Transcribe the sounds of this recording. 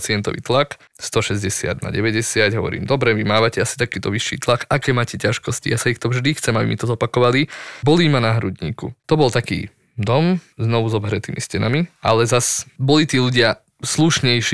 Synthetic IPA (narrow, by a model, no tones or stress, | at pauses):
t͡sɪɛnt̪ɔ̰ʋḭːt̪lak | st̪ɔʃɛzɟɛsɪa̰d̪na̰ɟɛʋɛɟɛsɪaɟɦɔʋɔ̰ɾḭːmd̪ɔbɾɛʋimaːʋacɛasi̥t̪akiːt̪ɔʋiʃːḭːt̪lakakɛːmaːcɛcaʃkɔscḭjasaixt̪ɔvʒd̪ixt͡sɛmabḭmit̪ɔzɔpakɔʋalibɔliːmanaɦɾudɲḭːkṵt̪ɔbɔlt̪akḭː | d̪ɔmznɔʋuzɔbɦɾɛt̪iːmiscɛnamiʔa̰lɛzasbɔlit̪iːluɟɪa | sluʃɲɛjʃ